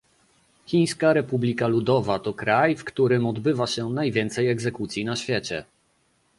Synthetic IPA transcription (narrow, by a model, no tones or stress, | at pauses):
xʲij̃skaɾɛpublʲikalud̪ɔvat̪ɔkɾajfkt̪uɾɘmɔd̪bɘvaɕɛnajvʲjɛnt̪sɛjɛɡzɛkut̪sʲjinaɕfʲjɛt͡ɕɛ̰